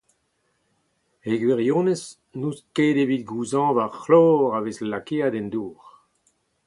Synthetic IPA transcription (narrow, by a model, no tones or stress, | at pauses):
eɡweʁjõːnes | nuːskeːdeviːt̪̚ɡuːzɑ̃vaʁxlɔːʁaveslakeːad̪ɛnd̪uːʁ